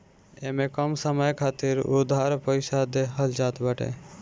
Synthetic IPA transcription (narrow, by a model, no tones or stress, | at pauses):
emẽkəmsəməjkʰaːt̪iɾud̪ʱaːɾpəɪsad̪eɦəld͡ʒaːt̪bəʈḛ